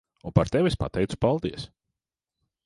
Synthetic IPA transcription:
unpaɾt̪ewespa̰t̪ɛj̪su̥palˠd̪iɛs

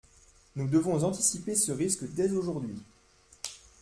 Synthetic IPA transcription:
nud̪əvɔ̃zɑ̃t̪isipesəʁiskd̪ɛzoʒuʁd̪ɥi

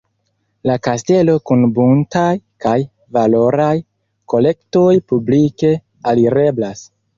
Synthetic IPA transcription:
lakaste̞lo̞kunbuntajkaj | valo̞ɾaj | ko̞le̞kto̞jpublike̞ | aliɾe̞blas

